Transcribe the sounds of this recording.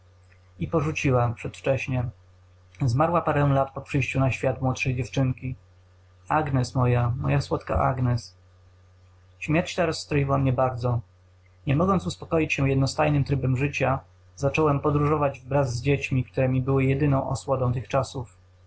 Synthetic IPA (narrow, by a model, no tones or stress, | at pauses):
ipɔʐut͡ɕiwapʂɛt̪ft͡ʂɛɕɲɛ | zmaɾwapaɾɛw̃lat̪pɔpʂɘjɕt͡ɕunaɕfʲjat̪mwɔt̪ʂɛjd͡ʑɛft͡ʂɘŋkʲi | aɡnɛsmɔjamɔ̰jaswɔt̪ka̰ʔa̰ɡnɛs | ɕmʲjɛɾt͡ɕt̪ɛɾɔsːt̪ɾɔjiwamɲɛbaɾd̪zɔ | ɲɛmɔɡɔnt̪uspɔ̥kɔjit͡ɕɕɛjɛd̪nɔst̪ajnɘmt̪ɾɘbɛmʐɘt͡ɕa | zat͡ʂɔwɛmpɔd̪ɾuʐɔvad͡ʑvbɾazzːd͡ʑet͡ɕmʲik̚t̪uɾɛmʲibɘwɘjɛd̪ɘnɔ̃w̃ʔɔ̰swɔd̪ɔ̃w̃t̪ɘxt͡ʂasuf